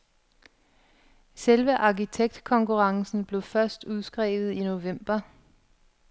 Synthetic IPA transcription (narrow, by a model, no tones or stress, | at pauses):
selʋəʔɑ̈kit͡sʰeɡ̥̚d̥kʰɒ̽ŋkuʁɑ̈ŋsn̩b̥le̝ʊfɶɐsd̥uð̞ˠsɡ̥ʁɛ̰ːʋð̞̩ˠino̝ʋem̰b̥ɐ